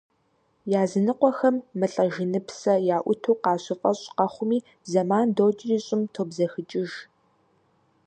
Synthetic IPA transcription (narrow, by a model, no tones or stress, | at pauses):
jaːzɨnɨqʷɔxɐmːɨɬʼɐʒɪnɨpsɐjaːʔʷʊtʰoːqɑːɕɪfʼɐɕʼqɐχʷʊmiː | bzɐmaːndoːt͡ʃʼɪriːɕʼɪmtʰoːbzɐxɨt͡ʃʼɪʒ